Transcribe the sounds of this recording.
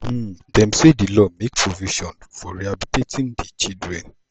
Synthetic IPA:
dɛ̃m̩sedilɔmek̚pʰɾoviʃɔ̃nfɔɾiabitetĩŋdit͡ʃidɾɛ̃n

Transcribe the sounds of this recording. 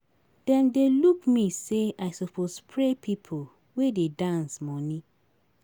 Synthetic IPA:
d̥ɛ̃ndelukmiseaɪsɔpʰospʰɹepʰipʰo | wededãnsmɔnĩ

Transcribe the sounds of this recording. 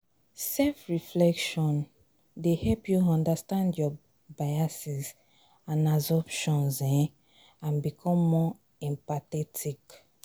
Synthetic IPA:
sɛlfɹiflɛkʃɔ̃n | dehɛlpjuɔ̃ndastãndjɔ | bajasiz | ãnazɔpʃɔ̃nzɛ̃ | ãnbikʰɔ̃mːɔ | ɛ̃mpatɛtʰik

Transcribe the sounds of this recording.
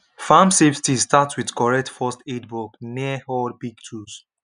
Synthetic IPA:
famseftistatswidkɔɹɛk̚tfɔstedbɔkniəhɔdbiɡ̚tʰus

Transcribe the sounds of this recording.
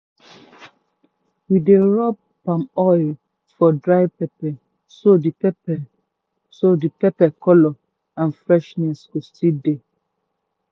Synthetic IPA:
wideɹɔp̚pãmɔjl | fɔdɹaɪpɛpɛ | sodipɛpɛ | sodipɛpɛkʰɔlɔ | ãnfɹɛʃnɛskostide

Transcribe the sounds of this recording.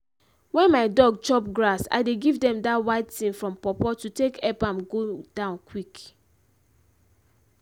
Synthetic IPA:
wɛ̃nmaɪdɔɡ̚t͡ʃɔp̚ɡɹasa̰ɪdeɡivdɛ̃mdatwaɪttĩnfɹɔ̃mpɔpɔtutekʰɛpãmɡod̥ãʊ̃nkʰwik

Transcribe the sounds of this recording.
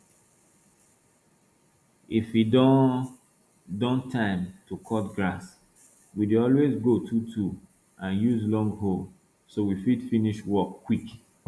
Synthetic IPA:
ifid | dɔ̃ntʰãɪ̃mtʰukʰɔtɡɹas | widuɔlwezɡotʰutʰu | ãnjuzlɔ̃ŋɡhol | sowifidfiniʃwɔkːwik

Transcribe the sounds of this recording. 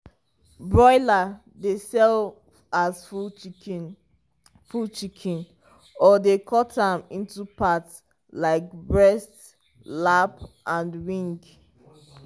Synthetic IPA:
bɹɔɪla | desɛl | az | fult͡ʃikʰĩn | ɔdekʰɔtãmĩntupats | laɪk̚bɹɛst | lapʔãndwĩŋɡ

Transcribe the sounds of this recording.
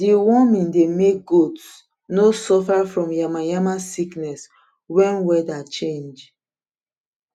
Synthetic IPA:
diwɔmĩndemek̚ɡots | nosɔfafɹɔ̃mjamãjamasiknɛs | wɛ̃nwɛdat͡ʃẽnd͡ʒ

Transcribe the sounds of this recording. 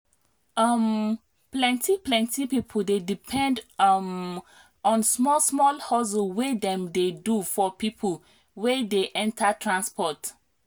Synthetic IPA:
am | plɛ̃ntʰiplɛ̃ntʰipipʰol̩dedipʰɛ̃ndm | ɔ̃nsmɔsmɔlhozowedɛ̃mdedufɔpipʰəl | wedeʔɛ̃ntʰatʰɹãnspɔt

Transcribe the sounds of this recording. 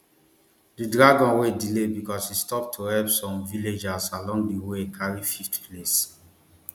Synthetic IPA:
didɹaɡɔ̃nwedilebikɔsistɔp̚tʰuhɛlpsɔ̃mviled͡ʒasalɔ̃ŋɡdiwekʰaɹififtples

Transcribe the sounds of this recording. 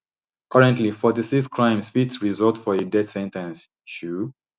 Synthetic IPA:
kʰʌɹɛ̃ntlifɔtisikskɹãɪ̃msfitɹizɔltfɔedɛdsɛ̃ntɛ̃ns | ʃu

